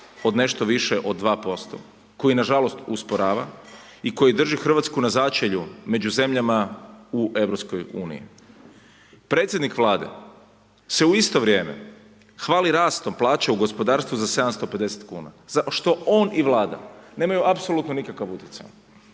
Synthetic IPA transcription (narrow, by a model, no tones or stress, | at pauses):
o̞d̪ne̞ʃt̪oʋiʃeʔo̞d̪ːʋaːpo̞st̪o̞̰ | ko̞jinaʒalo̞st̪uspo̞ɾaːʋa̰ | iko̞jid̪r̩ʒixr̩ʋat̪skunazaːt͡ʃeʎume̞d͡ʑuze̞mʎamauʔe̞ʋɾo̞psko̞juːnḭjḭ | pɾe̞ːt̪sjed̪nikʋlˠaːd̪e̞̰ | se̞uist̪o̞ʋɾje̞ːme̞̰ | xʋaːliɾaːst̪o̞mplˠaːt͡ɕauɡo̞spo̞d̪aːɾst̪ʋuzase̞d̪amst̪ope̞d̪e̞se̥t̪kṵːna̰zaʃt̪o̞oniʋlˠaːd̪a̰ne̞ːmajuʔapso̞lˠut̪nonikakaʋut̪jet̪sa̰ʎ